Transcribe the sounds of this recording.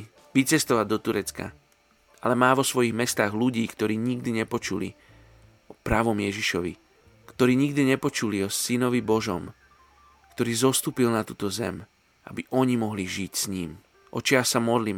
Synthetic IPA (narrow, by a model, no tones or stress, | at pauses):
ʋit͡sɛst̪ɔʋaɟ̚d̪ɔt̪uɾɛt͡ska̰ | ʔalɛmaːʋɔsʋɔjiɣmɛst̪aːɣluɟiːkt̪ɔɾiːɲiɡd̪iɲɛpɔt͡ʃulḭ | ɔpɾaːʋɔmjɛʒiʃɔʋḭ | kt̪ɔɾiːɲiɡd̪iɲɛpɔt͡ʃuliɔsinɔʋibɔʒɔ̰m | kt̪ɔɾiːzɔst̪uːpilnat̪uːt̪ɔzɛ̰m | a̰biʔɔɲimɔɦliʒicsɲiːm | ʔɔ̰t͡ʃɪasamɔd̪li